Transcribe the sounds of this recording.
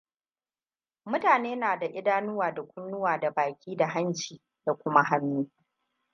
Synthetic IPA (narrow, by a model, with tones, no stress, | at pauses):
mʊ˦taː˨neː˦naː˨da˨ʔɪ˦daː˦nʊ˦waː˨da˨kʷʊ˦nːʊ˦waː˨da˨baː˨kʲiː˦da˨ɦa˦nt͡ʃiː˨ | da˨kʷʊ˦ma˦ɦa˦nːuː˦